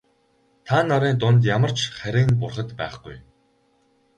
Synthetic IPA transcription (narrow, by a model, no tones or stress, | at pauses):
t̪ʰanːɔɾiːnt̪̬ʊnt̪̬jamə̆r̥t͡ɕχæɾʲɪ̆ŋpʊrχə̆t̪pæ̰ːχɡuj